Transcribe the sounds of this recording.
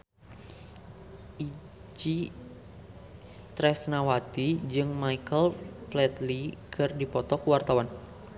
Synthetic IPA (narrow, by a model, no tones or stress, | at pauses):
ʔi | d͡ʒi | t̪ɾɛsnawat̪id͡ʒɨŋmaikəlflɛt̪likʰɨrdipɔt̪ɔkuwart̪awan